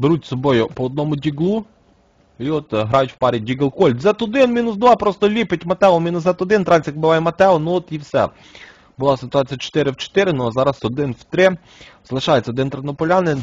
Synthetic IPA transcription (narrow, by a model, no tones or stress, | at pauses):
beɾutʲsɔbɔjʊpɔɔd̪nɔmʊdʲiɡlˠu | iɔt̪ɦɾɑjʊtʲwpɑɾʲidʲiɡɪlˠkɔlʲzɛt̪ɔd̪ɪnmʲinʊs̬d̪ʋɑpɾɔst̪ɔlʲipɪtʲmɐt̪ɛɔmʲinʊszɛt̪ɔd̪ɪnt̪ɾɑnʲsʲjɐk̚bɪʋɑjɛmɐt̪ɛɔnuɔt̪iwsɛ̰ | bʊlˠɑsɪt̪ʊɑt͡sʲijɐt͡ʃe̥t̪ɪɾɪwt͡ʃe̥t̪ɪɾɪnuzɑɾɐsɔd̪ɪnwt̪ɾɪ | z̥ɐlˠɪʃɑjet͡sʲːɐɔd̪ɪnt̪ɾenɔpɔlʲɑnɪn